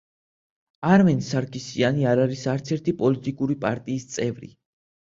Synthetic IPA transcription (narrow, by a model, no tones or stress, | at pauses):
aɾmɛnsaɾkʰʼisianiaɾaɾisaɾt̪sʰɛɾt̪ʰipʼɔlit̪ʼikʼuɾipʼaɾt̪ʼiːst̪sʼɛvɾḭ